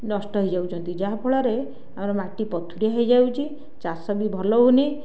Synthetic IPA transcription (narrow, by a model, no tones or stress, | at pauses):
nɔsʈɔɦɔjd͡ʒawt͡ʃʰɔnt̪id͡ʒabʰʱɔɭɔɾe | amɾɔmaʈipɔt̪ʰuɾijaɦʌjd͡ʒawt͡ʃʰi | t͡ʃasɔbibʱɔloɦuni